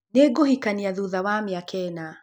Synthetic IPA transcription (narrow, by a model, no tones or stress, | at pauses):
nɛɡohikaniaðuðawamiakɛna